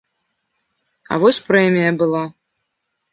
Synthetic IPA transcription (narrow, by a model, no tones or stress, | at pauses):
ɐ̰vɔsʲpɾɛmʲijɐbɨlˠa